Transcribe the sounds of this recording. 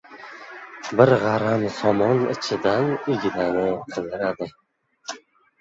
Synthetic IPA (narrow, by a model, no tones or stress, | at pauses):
bɪɾʁaɾamsɒmɒnɪ̰t͡ʃʰɪd̪anɪɡʲɪd̪anɪqʰɨlˠd̪ɪɾad̪ɪ